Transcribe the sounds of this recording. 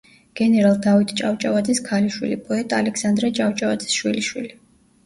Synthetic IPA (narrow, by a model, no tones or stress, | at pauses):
ɡ̥ɛnɛɾalˠd̪avit̪ʰʼt͡ʃʼawt͡ʃʼavad̪ziskʰaliʃwḭlipʼɔɛt̪ʼalɛkʰsand̪ɾɛt͡ʃʼawt͡ʃʼavad̪zi̥sʃwiliʃwili